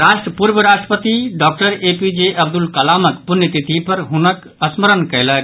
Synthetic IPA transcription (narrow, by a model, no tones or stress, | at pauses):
ɾaːsʈɾəpuɾbəɾaːsʈɾəpət̪iɖɔːk̚ʈəɾeːpid͡ʒeʔɐb̚d̪ulkɐlaːməkpunjət̪it̪ʰipɐɾɦunək | ɐsməɾənkɐjlək